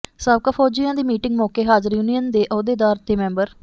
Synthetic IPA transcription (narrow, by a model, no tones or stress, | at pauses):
saːbkaːpʰoːd͡ʒijãːd̪iːmiːʈɪ̃ŋɡmɔːkeːɦaːd͡ʒəɾjuːnijənd̪eːʔɔːd̪eːd̪aːɾt̪eːmɛ̃ːmbəɾ